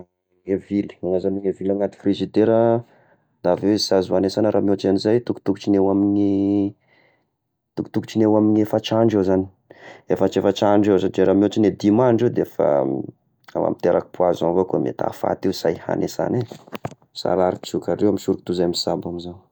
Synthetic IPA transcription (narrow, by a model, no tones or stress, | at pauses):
ŋevili̥aŋazaniŋevilaŋat̪i̥frizid̪eɾa | d̪avewezisazuanesanəɾamiot͡ʃanizajt̪uku̥t̪uku̥t͡ʃinewamini | t̪uku̥t̪uku̥t͡ʃinewaminefət͡ʃaɳɖ͡ʐewzani̥ | efət͡ʃefət͡ʃaɳɖ͡ʐewzand͡ʒeɾamiot͡ʃined̪imaɳɖ͡ʐed̪eefə̰ | a̰wa̰mit̪eɾʔaki̥puazanvokuamḛt̪a̰fa̰t̪iwsa̰jha̰nʔesa̰ne | sa̰ɾaɾit͡sukaɾewamisuɾukit̪uzajmisabamizan